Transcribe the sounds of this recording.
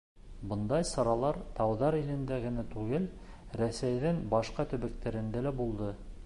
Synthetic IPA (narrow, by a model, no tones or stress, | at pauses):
bɤ̆nd̪ɑjsɑɾɑlˠɑɾt̪ɑwðɑɾilɘ̆nd̪æɡɘ̆næt̪ʉɡɘl | ɾæsæjðɘŋbɑʃqɑt̪ɵ̆βæk̚t̪æɾɘ̆nd̪ælæbulˠd̪ɤ